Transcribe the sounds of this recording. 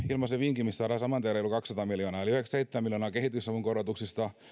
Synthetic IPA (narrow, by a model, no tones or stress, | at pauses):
ilmɑseʋiŋkimisːɑːɾɑːsɑmɑnt̪iæleolukɑksɑt̪ɑmiljonɑːeliyheksseit̪ːemmiljoːnɑːkehit̪ysɑʋuŋkorot̪uksist̪ɑ